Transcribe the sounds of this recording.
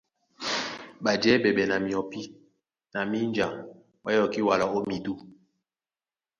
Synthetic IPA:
ɓa˨d͡ʒɛ˦bɛ˨ɓɛ˨na˨mi˨ɔ˨pi˦ | na˨mi˦nd͡ʒa˨ŋ | ɓa˦jɔ˨ki˦wa˨la˨o˦mi˨du˦

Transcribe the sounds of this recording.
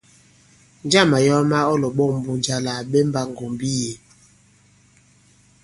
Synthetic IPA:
n˦d͡ʒa˦˨ma˨jɔ˦ma˦ɔ˦lɔ˨ɓɔ˦˨m̩˦bu˦˨nd͡ʒa˦la˨ɓe˦m˦ba˦ŋɡo˨mbi˦je˨

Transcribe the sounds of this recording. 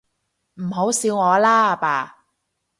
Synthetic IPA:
m̩˨˩ɦo˨˥wsiː˨˧wŋɔː˨˧laː˥a˨paː˨˧

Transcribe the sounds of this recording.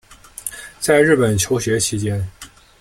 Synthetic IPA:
t͡sa˥˧ɪɻɻ̩˥˩pə˨˩nt͡ɕʰjo˧˥ʊɕɥɛ˧˥t͡ɕʰi˧˥t͡ɕjɛ˥n

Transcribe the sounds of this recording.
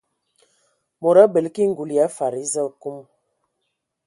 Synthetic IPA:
mo˨ɾa˦bə˨lki˦ŋ̩˦ɡu˨la˨˦fa˨ɾi˦zə˦˨ku˦m

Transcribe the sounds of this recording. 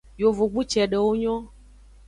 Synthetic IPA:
jo˨vo˨ɡ͡bu˦t͡ʃɛ˨ɖə˨wo˦ɲɔ̃˦

